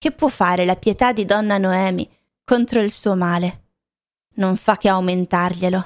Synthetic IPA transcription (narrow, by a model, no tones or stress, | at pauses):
k̟epːwɔfːaːɾelapjet̪ad̪ːid̪ɔnːanoɛːmḭ | kont̪ɾoilsuːomaːle | noɱfakːeawment̪arʎelo